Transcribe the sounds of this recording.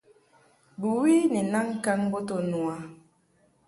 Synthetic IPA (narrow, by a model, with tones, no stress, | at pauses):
bu˨wi˦ni˨na˦ŋ˦ka˦ŋbo˦to˦˨nu˨a˨